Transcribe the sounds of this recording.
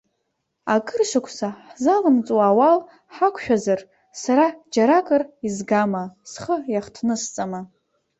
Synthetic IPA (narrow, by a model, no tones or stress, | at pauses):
akʼɨrʃakʷʰsaħzalɨmt͡sʼwawal | ħakʷʰʃᶣazar | saɾad͡ʒaɾakʼɨrizɡamasχəjaχtʰnɨst͡sʼama